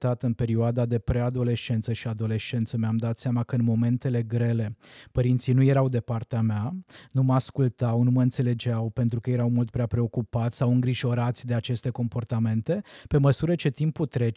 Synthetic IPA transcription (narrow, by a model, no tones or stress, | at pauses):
t̪at̪ɨnpe̞ɾioad̪ad̪e̞pɾe̞ad̪o̞le̞ʃt͡ʃe̞nt̪səʃiad̪o̞le̞ʃt͡ʃe̞nt̪səmeamd̪at̪seamakəɨnmo̞me̞nt̪e̞le̞ɡɾe̞le̞pəɾint̪sinuje̞ɾawd̪e̞part̪eameanuməaskult̪awnuməɨnt̪se̞le̞d͡ʒawpe̞nt̪ɾukəje̞ɾawmult̪̚pɾeapɾe̞o̞kupat̪sʲsawɨŋɡɾiʒo̞ɾat̪sʲd̪e̞at͡ʃe̞st̪e̞ko̞mpo̞rt̪ame̞nt̪e̞pe̞məsuɾət͡ʃe̞t̪imput̪ɾe̞t͡ʃ